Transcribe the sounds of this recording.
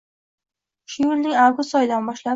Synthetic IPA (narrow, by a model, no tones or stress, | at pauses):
ʃʊjʊlnɪŋawɡʊst̪ɒjɪd̪anbɒʃla